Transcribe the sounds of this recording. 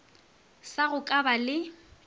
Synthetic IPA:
saɣʊkʼabalɪ

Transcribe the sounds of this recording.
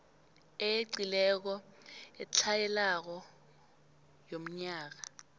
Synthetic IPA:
ejeǀilɛk̬ɔɛt͡ɬʰajɛlak̬ɔ | jom̩ɲaːk̬a

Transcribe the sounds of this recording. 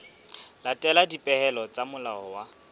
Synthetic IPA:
latʼɛladipʼɛhɛlɔt͡sʼamʊlaɔwa

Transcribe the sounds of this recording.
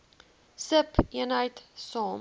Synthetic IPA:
səpiɪənəjtsɔ̃m

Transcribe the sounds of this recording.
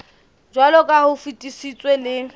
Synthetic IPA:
d͡ʒwalɔkʼahʊfutʼisit͡sʼwelɪ

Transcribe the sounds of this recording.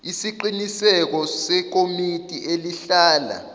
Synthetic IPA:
isiǃinisɛk̬ɔsɛk̬omitʼieliɬaːla̰

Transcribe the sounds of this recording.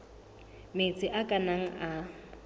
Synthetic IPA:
met͡sʼɪʔakʼanaŋ̩a

